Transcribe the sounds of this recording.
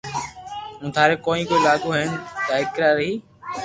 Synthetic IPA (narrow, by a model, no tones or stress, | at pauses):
ũːt̪ʰaːɾeːkoːĩːkoːilaːɠoːɦənt̪əɪkɾaːɾːəɦiː